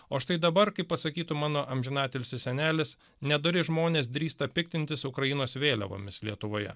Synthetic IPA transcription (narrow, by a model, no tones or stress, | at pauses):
oːʃt̪ɐɪd̪ɐbɐɾkɐɪpːɐsɐkʲiːt̪ʊmɑːnoːʔɐmʲʒʲɪnɑːt̪ʲelʲsʲɪsʲɛnʲæːlʲɪs | nʲɛd̪oɾʲɪʒmoːnʲeːs̬d̪ʲɾʲiːst̪ɐpʲɪk̚t̪ʲɪnʲt̪ʲɪsʊkɾɐjɪnoːsʋʲeːlʲɛ̰ʋo̰ːmʲɪslʲiɛt̪ʊʋoːjɛ̰